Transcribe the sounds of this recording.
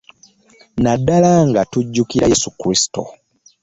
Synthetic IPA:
nadːalaŋɡatuɟːukiɾajesukɾisi̥to̰

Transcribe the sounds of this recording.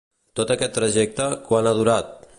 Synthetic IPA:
t̪ot̪əkɛt̪ːɾəʒɛk̚t̪əkwanaðuɾat̪̚

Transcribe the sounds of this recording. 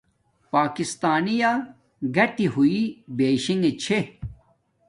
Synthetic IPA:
paːkist̪aːnija | ɡɐʈiɦuibeːɕiŋet͡ɕʰe

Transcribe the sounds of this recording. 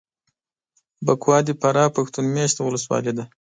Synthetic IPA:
bakwɑd̪ipaɾɑpaxt̪unmjaʃt̪wʊləswɑ̰led̪a

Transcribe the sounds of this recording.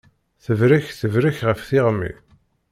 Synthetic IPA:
θəvɾɪçθəvɾəçʁəfθɪʁmḭ

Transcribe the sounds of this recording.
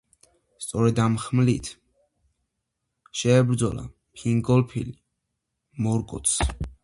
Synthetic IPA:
st̪sʼɔɾɛd̪amχmlit̪ʰ | ʃɛːbɾd̪zɔla̰ | pʰiŋɡɔlˠpʰḭli | mɔɾkʼɔ̰t̪sʰ

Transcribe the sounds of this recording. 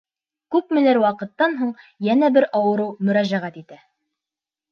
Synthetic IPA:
kʉpmɘ̆læɾwɑqɤ̆t̪ːɑnɦuɴjænæbɘɾɑwɤ̆ɾɤwmɵ̆ɾæʑæʁæt̪it̪æ

